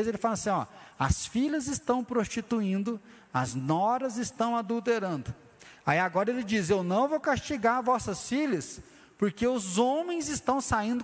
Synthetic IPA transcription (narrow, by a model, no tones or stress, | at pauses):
zelɪfalɐasĩɔ̰ɐ̰sfiʎɐzɪst̪ɐ̃w̃pɾost͡ʃit̪uĩnd̪ʊ | ɐznɔɾɐzɪst̪ɐ̃w̃ad̪uwt̪eɾɐ̃nd̪ʊ | aiaɡɔɾɐelɪd͡ʒizewnɐ̃w̃vowkast͡ʃiɡaɾvɔsɐsfiʎɐs | poɾkeʊzõmẽj̃zɪst̪ɐ̃w̃saĩnd̪ʊ